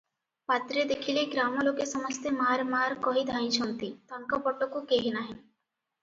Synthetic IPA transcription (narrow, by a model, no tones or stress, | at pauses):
pat̪ɾed̪ekʰileɡɾamolokesɔmɔst̪emaɾmaɾkɔɦid̪ʱaj̃t͡ʃʰɔnt̪it̪aŋkɔpɔʈokokeɦenaɦi